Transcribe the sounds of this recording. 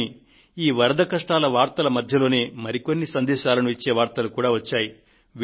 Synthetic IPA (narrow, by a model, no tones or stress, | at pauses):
i | iːʋɐɾɐd̪ɐkɐʂʈaːlɐʋaːɾt̪ɐlɐmɐd̪ʱjɐlo̞ːne̞ːmɐɾiko̞nːisɐnd̪ɛːʃaːlɐnuit͡ʃːe̞ːʋaːɾt̪ɐlukuːɽaːʋɐt͡ʃːaːji | ʋ